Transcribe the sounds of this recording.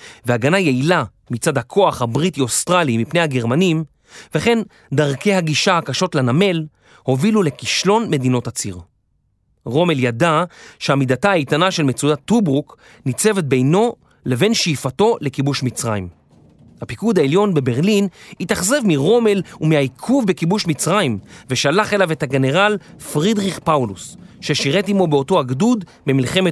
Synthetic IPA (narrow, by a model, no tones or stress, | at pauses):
veaɡanajeila | mit͡sadhakʰo̞aχhabʁitiostʁalimipne̞jhaɡe̞ʁmanim | ve̞χe̞n | daʁke̞jhaɡiʃahakaʃo̞tlaname̞l | ho̞vilule̞kiʃlo̞nme̞dino̞tat͡siʁ | ʁo̞me̞ljadaʃeamidataajtanaʃe̞lmet͡sudatːubʁuk | nit͡se̞vet̚be̞jno̞ | le̞ve̞nʃiːfato̞le̞kibuʃmit͡sʁaḭm | hapikud̪aeljo̞nbe̞be̞ʁlinitaχzevmiʁo̞me̞lumihaikʰuvbekibuʃmit͡sʁaimveʃalaχe̞lave̞thaɡe̞ne̞ʁalfʁidʁiχpawlusʃeʃiʁetimo̞beo̞to̞aɡdud | bemilχe̞me